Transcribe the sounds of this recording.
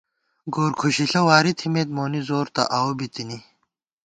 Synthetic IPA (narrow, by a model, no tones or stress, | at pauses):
ɡoːɾkʰuɕiɬɐwaːɾit̪ʰimeːt̪̚moːnizoːɾt̪ɐ̰ʔawobit̪ini